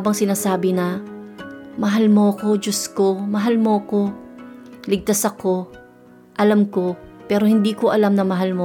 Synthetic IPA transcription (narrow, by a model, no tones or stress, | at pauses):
bɐŋsɪnaːsaːbɪnɐ | mɐɦalmo̞ɐko̞d͡ʒoskomɐɦalmo̞ɐko̞ | lɪɡ̚t̪asɐko̞ | ʔɐlamko̞pɛːɾo̞hɪnd̪iːko̞ʔɐlamnɐmɐɦalmo